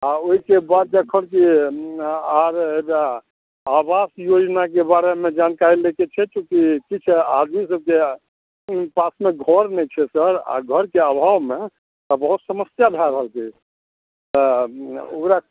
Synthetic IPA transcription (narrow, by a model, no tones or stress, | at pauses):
aoɦikebad̪̚d͡ʒəkʰənki | aɾebaː | basjod͡ʒnak̬ebaɾemed͡ʒankaɾileket͡ʃʰɛt͡ʃũkikit͡ʃʰɛad̪misəb̚ke | pasmeɡʱəɾnɛjt͡ʃʰɛsəɾa̰ɡʱəɾkeabʱawme | t̪ɔbəɦut̪səməsjab̪ʱaɾəɦəlki | t̪ɔ | o̰kɾa